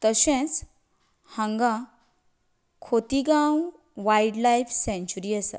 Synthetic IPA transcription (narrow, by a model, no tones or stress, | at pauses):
t̪əɕɛ̃t͡s | hə̃ŋɡã | kʰot̪iɡãw | ʋajɖlajfsɛ̃ɲt͡ɕuɾiːasa̰